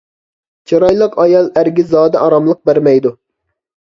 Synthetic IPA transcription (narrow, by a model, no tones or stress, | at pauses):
t͡ʃʰɑɾɑjlˠəqɑjɑlˠæɾɡʲizɑːd̪ɛʔɑɾɑmlˠəq̚bæɾmɛjd̪u